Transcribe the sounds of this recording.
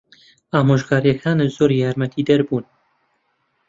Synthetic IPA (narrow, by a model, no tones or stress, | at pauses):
aːmoːʒɡaːɾjɛkʰaːnezoːɾijaːɾmɛt̪ʰiːd̪ɛɾbuːn